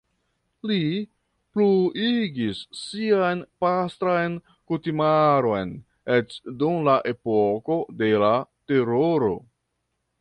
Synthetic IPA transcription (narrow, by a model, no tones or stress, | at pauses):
li | pluiɡisːiajnpastɾajn | kutimaɾo̞jn | et͡ʃdumlaʔe̞poko̞de̞late̞ɾoɾo̞̰